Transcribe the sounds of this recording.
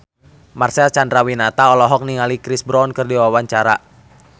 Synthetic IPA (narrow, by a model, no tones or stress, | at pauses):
marsɛat͡ʃandɾawinat̪aɔlɔɦɔk̚niŋalikɾisbɾɔnkɨrdiwawaɲt͡ʃaɾa